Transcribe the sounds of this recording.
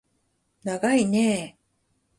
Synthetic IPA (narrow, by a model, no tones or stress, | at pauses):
naɡaine